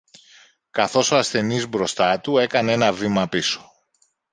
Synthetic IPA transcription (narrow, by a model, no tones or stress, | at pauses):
kɐθo̞so̞ɐsθe̞nizbɾo̞st̪ɐt̪ue̞kɐne̞nɐvimɐpiso̞̥